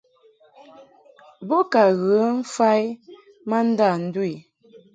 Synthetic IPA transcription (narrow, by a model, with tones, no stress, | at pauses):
bɔ˦ka˨ɣə˨˦fa˦j | ma˦n̩˦da˦˨n̩˦dwi˨